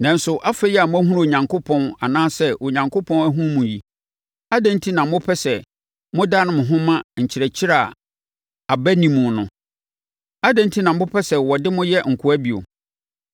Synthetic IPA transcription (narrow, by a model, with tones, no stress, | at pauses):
nã˨n̩˦sʊ˨ʔa˦fɛ˦jɛ˦a˨mʊ̃˦æ˦ɦũ˦ɾo˨ɲã˨ŋkʰo˦pʰɔ̃˦na˨nãː˦sɛ˦ʔo˨ɲã˨ŋkʰo˦pʰɔ̃˦næ˦ɦũ˦ɾmũ˨ji˨ | a˦dã˦n˦tʰi˦nã˨˦mʊ̃˦pʰɛ˦sɛ˨ | mʊ̃˦da˦nʊ̃˦mʊ̃˨ɦʊ̃˦mã˦ɲ̩˨t͡ɕʰɪ˨ɾɛ˨t͡ɕʰɪ˦ɾa˦˨ | a˨bæ˦nĩ˨mũ˨nʊ̰̃˨ | a˦dã˦ntʰi˦nã˨m˦ʊ̃˦pʰɛ˦sɛ˨wɔ˨dɪ˦mʊ̃˦jɛ˦ŋ̩˨kʰʊ˨˦æ˦bi˨o̰˨